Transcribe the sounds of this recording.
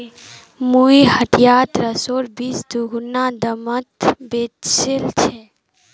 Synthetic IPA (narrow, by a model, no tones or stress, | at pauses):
muiɦəʈ̪ijaːt̪ɾəsoːɾbisd̪uɡunad̪əmət̪beselt͡ʃʰɛ